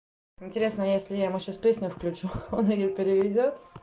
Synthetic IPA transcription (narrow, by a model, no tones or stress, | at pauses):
ɪnʲtʲɪɾʲe̞snəjesʲlʲɪjaɪmʊɕaspʲesʲnʲʊfklʲʉt͡ɕuonɪjopʲɪɾʲɪvʲɪdʲot̪